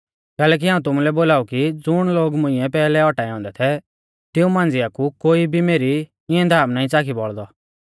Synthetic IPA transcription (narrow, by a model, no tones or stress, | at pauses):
kɛːlɛːk̬iɦaːũt̪̬ʊmulɛboːlaːukid͡zʊɽ̃loːɡmʊ̃ɪ̃ɛpɛːlɛɔʈaiɔ̃ːnd̪ɛt̪ʰɛ | t̪ɪũmãːnd͡zɪakukoːibʱimeːɾi | ɪɛ̃d̪ʱaːmnaːĩt͡saːkʰibɔɭd̪ɔ